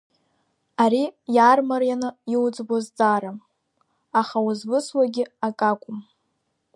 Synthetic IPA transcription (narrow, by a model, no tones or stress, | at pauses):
aɾijaːrmarjanɨiwd͡zʼbazd͡zaːɾam | aχawuzbɨswaɡʲɪakʼakʷʼʊm